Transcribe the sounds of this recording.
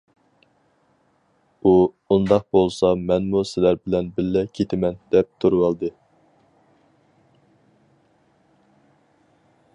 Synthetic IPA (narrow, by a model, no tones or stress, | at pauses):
u | und̪ɑq̚bolˠsɑmɛnmusɪlæɾbɪlɛnbɪlːɛkʲʰet̪ʰɪmɛnd̪ɛp̚t̪ʰuɾwɑlˠd̪ɨ